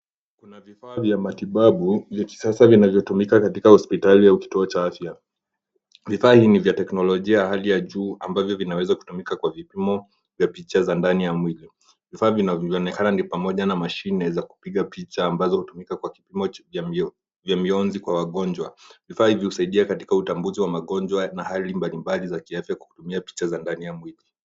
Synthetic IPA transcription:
kunavifaːvjamatiɓaɓuvjaki̥sasavinavjɔtumikakatikahɔspitaliauki̥tuɔt͡ʃaafja | vifaːhiːnivjatɛknɔlɔʄiajahalijaʄuːambavjɔvinawɛzaku̥tumikakwavipimɔ | vjapit͡ʃazandanijamwili | vifaːvinaɔnɛkananipamɔʄanamaʃinɛzaku̥piɠapit͡ʃaːmbazɔhutumikakwakipimɔ | vjamiɔnzikwawaɠɔɲd͡ʒwavifaːhivihusaiɗiakati̥kautambuziwamaɠɔɲd͡ʒwanahalimbalimbalizakiafjakwḁku̥tumiapi̥t͡ʃazandanijamwili

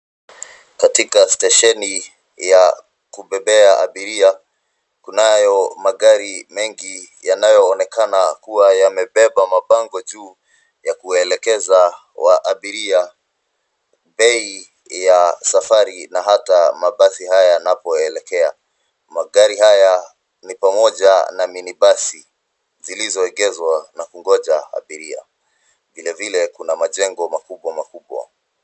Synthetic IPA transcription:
katikastaʃɛni | ja | kuɓɛɓɛaʔa̰ɓiɾia | kunajɔmaɠaɾimɛŋɡi | janajɔːnɛkanakuwajamɛɓɛɓamaɓaŋɡɔʄuː | jakuɛlɛkɛza | waʔaɓiɾia | ɓɛi | jasafaɾinaɦatamaɓaθihajajanapɔɛlɛkɛa | maɠaɾihaja | nipamɔʄanaminiɓasi | zilizɔɛɡɛzwanakuŋɡɔʄaa̰ɓiɾia̰ | vilɛvilɛkunamaʄɛŋɡɔmakuɓwamakuɓwa̰

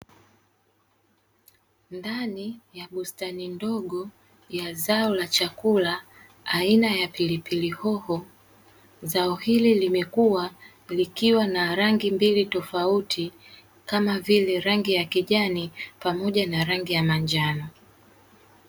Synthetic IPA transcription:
ndanijaɓustanindɔɠɔ | jazaɔlat͡ʃakulaː | inajapilipilihɔhɔ | zaɔhililimɛkuwa | likiwanaɾaŋɡimbilitɔfautʰi | kamavilɛɾaŋɡijakiʄanipamɔʄanaɾaŋɡijamaɲd͡ʒanɔ

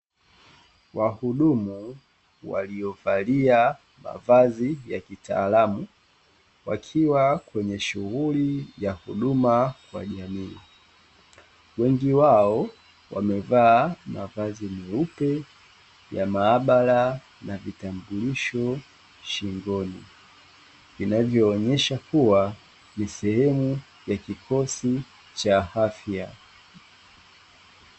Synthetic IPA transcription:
wahuɗumu | wa̰lijɔvalia | ma̰vazijakita̰ːlamu | wa̰kʰiwakwɛɲɛʃuɣulijahuɗumakwa̰ʄamiː | wɛŋɡiwaɔ | wa̰mɛvaːma̰vazimiupɛ | jamaːɓala | navitambuliʃɔ | ʃiŋɡɔnḭ | vinavjɔːɲɛʃakuwa | nisɛhɛmu | jakikɔsi | t͡ʃahafja

